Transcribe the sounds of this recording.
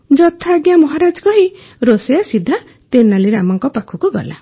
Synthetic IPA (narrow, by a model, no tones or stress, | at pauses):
d͡ʒɔt̪ʰaːɡjamɔɦaɾad͡ʒkɔɦi | ɾosejasid̪ʱːa | t̪enːaliɾamɔŋkɔpakʰukuɡɔ̰la̰